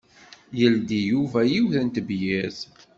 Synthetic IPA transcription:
jəld̪ijuvæjiwθənt̪bjæz

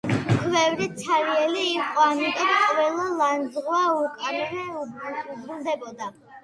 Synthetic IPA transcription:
kʰwɛvɾisʰaɾiɛliːqʼɔamit̪ʼɔmqʼvɛlˠɔlanzʁwaukʼaɾɾɛ | zɾuld̪ɛbɔd̪a

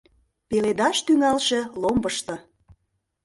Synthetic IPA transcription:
peled̪ɑʃt̪yŋɑlʃĕlombəʃt̪ɤ̆

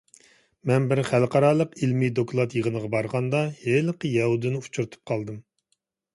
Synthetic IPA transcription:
mɛnbɪɾχælqʰɑɾɑːlˠəqilmid̪okʰlˠɑt̪jəʁənəʁɑbɑɾʁɑnd̪ɑhelqəjɛhud̪ɨnɪut͡ʃʰuɾɨt̪ʰu̥p̚qʰɑlˠd̪ɨm

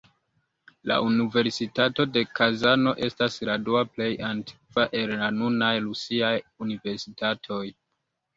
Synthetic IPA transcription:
la̰ʔunive̞ɾsitato̞de̞kazano̞ʔe̞stasɾaduaple̞jantʰi̥kvaʔe̞lːanunajɾusiajunive̞ɾsitatʰo̞j

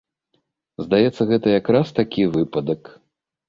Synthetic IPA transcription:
zd̪ajɛt̪sːɐɣɛt̪ɐjakɾast̪akʲivɨpɐd̪ɐk

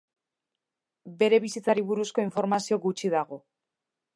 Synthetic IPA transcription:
be̞ɾe̞βisit͡saɾiβuɾusko̞iɱfo̞ɾmasio̞ɡut͡ʃiðaɣo̞

